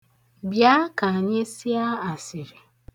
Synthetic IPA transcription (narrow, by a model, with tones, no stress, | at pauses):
bja˦ka˨ɲe˦si˦a˦a˨sɪ˨ɾi˨